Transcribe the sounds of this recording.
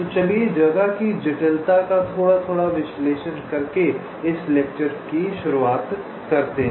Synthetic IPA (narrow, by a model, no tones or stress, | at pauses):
ot͡ʃɐled͡ʒɐɡakid͡ʒɐʈəlt̪akat̪ʰoːɽat̪ʰoːɽaʋɪsleːʃənkɐɾke | ɪsleːk̚t͡ʃəɾkiʃʊɾuaːt̪ | kɐɾt̪eɦ